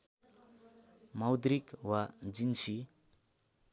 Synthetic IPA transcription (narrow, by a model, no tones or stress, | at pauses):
mawd̪ɾikwad͡zinsi